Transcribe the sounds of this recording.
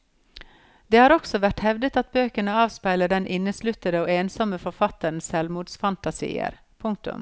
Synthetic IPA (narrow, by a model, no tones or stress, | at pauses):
d̪̥eːhɑːɾɔksɔʋæʈhɛʋd̪ət̪ɑt̪̚bøːkəɳəɑːʋspæɪləɖɛnʔɪnːəslʉt̪əd̪əoːeːnsɔməfɔɾfɑt̪əɳ̩sɛlmuːd̪sfɑnt̪ɑsḭːə̰ɾ | pʰʊŋk̚t̪ʊ̰m